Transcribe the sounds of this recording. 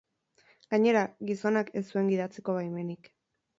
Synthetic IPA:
ɡ̥aɲe̞ɾaɡiso̞nake̞sːue̞ŋɡiðat͡seko̞βajme̞nik

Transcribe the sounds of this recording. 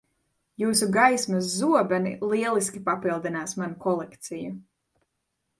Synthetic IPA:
juːsuɡajsmɐs̬zːuɔbɛnḭlˠiɛlˠiskʲipapilˠd̪inaːsmanukɔlˠɛkt̪siju

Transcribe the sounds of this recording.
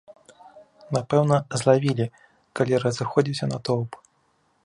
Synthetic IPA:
napɛwnɐzlˠavʲilʲi | kalʲiɾɐzɨxɔd͡zʲiwsʲɐnɐt̪ɔwp

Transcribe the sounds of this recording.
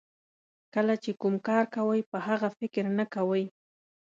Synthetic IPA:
kalat͡ʃɪkʊmkaːɾkawajpahɑɢɑfɪkɪɾnakawaj

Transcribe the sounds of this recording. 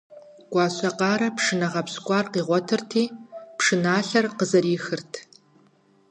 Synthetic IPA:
ɡ̥ʷɑːɕʼɐqɑːɾɐpʂɨnɐʁɐpskʷʼɑːrqiːʁʷɔtʰɨrtʰiːpʂɨnaːɬɐrqəzɐɾiːxɨrtʰ

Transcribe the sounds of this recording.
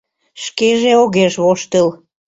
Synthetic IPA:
ʃkeʒeoɣeʃβoʃt̪əl

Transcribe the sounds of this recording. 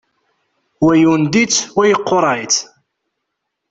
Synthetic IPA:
wæjund̪it͡sːwæjəqːoɾˤɑjt͡s̪

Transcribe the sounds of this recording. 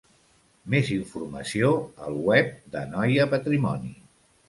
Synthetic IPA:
meziɱfurməsioəlˠwɛp̚d̪ənɔjəpət̪ɾimɔnḭ

